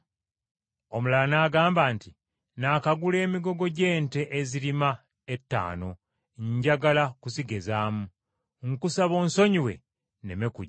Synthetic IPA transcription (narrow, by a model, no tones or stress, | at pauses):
o̞mulanaːɡaːmbaːnti | naːkaɡule̞ːmiɡo̞ɡo̞ɟe̞ːnte̞ʔːziɾima | etːa̰ːno̞ | ɲɟaɡalakusiɡe̞zaːmu | ŋkusaβo̞ːnso̞ɲiwe̞̰ | ne̞̰mekuɟ